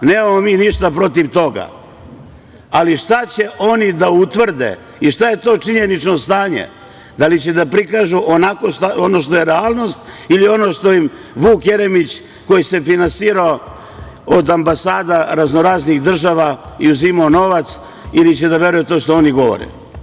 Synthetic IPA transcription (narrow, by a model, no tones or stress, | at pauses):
neːmamomiːniʃt̪apɾo̞t̪iʋt̪o̞ɡa̰ | aliʃt̪at͡ɕe̞ʔo̞nid̪aut̪ʋr̩d̪ḛ | iʃt̪aje̞t̪o̞ːt͡ʂiɲenit͡ʂno̞st̪aːɲḛ | d̪alit͡ɕed̪apɾikaːʒuʔonako̞ʃt̪ao̞no̞ʃt̪o̞jeɾealˠno̞st̪ilio̞no̞ʂt̪o̞jim | ʋuːkje̞ɾemit͡ɕ | ko̞jise̞finansiːɾao | od̪ambasaːd̪aɾazno̞ɾaːzniɣd̪r̩ʒaʋaiuzimaono̞ʋat̪s | ilit͡ɕed̪aʋe̞ɾujet̪o̞ːʃt̪oo̞niɡo̞ʋo̰ɾḛ